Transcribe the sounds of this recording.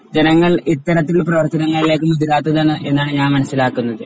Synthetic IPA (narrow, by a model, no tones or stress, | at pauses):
d͡ʑe̞nɐŋːɐɭit̪ːɐɾɐt̪̬ːiɭprɐʋɐrt̪ːɐnɐŋːɐɭile̞ːk̬ːɨmɐðiɾaːt̪ːɐðaːɳɨʔe̞nːaːɳɨɲaːnmɐnɐsːilaːkːunːɐðɨ